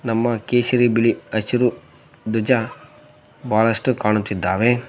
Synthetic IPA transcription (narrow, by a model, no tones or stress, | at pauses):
nɐmːɐkeːʃɐɾibiliɐt͡ʃuɾu | d̪ud͡ʒa | bʱaːlɐsʂʈukaːɳut̪ːid̪ːaːʋe